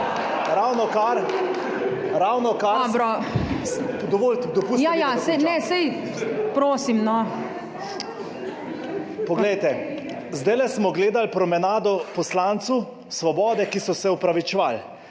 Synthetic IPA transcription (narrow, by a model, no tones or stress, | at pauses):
ɾawnɔkaɾ | ɾawnɔkadbɾɔ | d̪ɔʋold̪ɔpusj̪ajasɛjnɛsɛj | pɾoːsimnɔ | pɔɡlɛjt̪ɛ | zd̪ɛjlɛsmɔɡleːd̪alpɾɔmɛnaːd̪ɔpɔslant̪su | sʋɔbɔːd̪ɛkisɔsɛupɾaʋit͡ʃɛʋal